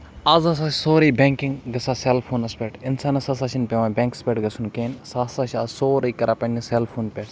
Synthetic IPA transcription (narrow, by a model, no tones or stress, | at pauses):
ɐzɐs̬aːssoːɾɐːbʲeŋkɪŋɡɡɐsaːselpʰoːnɐspʲeʈɪnsaːnɐsɐs̬aːt͡ʃʰinpʲeʋãbʲeːŋkspʲeːʈɡɐsʰunkeːnsaːsaʃʲasoːɾɐjkɐɾʔaːpɐniselpʰoːnpʲe